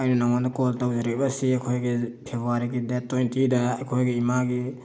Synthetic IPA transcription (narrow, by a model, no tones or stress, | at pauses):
ajnunaŋandɐkoltawzaɾebasiakʰojɡipʰebʱoaɾiɡidetːojntidaːjkʰojɡiimaɡi